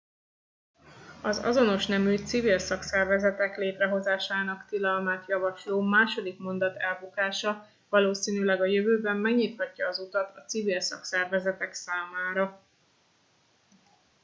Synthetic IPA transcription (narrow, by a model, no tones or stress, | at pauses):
ɒzɒ̰zo̞no̞ʃnɛmyːt̪sivilsɒksɛrvɛzɛt̪ɛkleːt̪rɛɦo̞zaːʃaːn̪ɒkt̪ilɒlmaːt̪jɒvɒʃloːmaːʃo̞d̪ikmo̞nd̪ɒt̪ɛlbukaːʃɒ | vɒloːsiːnylɛɡɒjøvøːbɛmːɛɡɲit̪hɒcːɒːzut̪ɒt̪ɒt̪sivilsɒ̰ksɛrvɛzɛt̪ɛksaːmaːɾɒ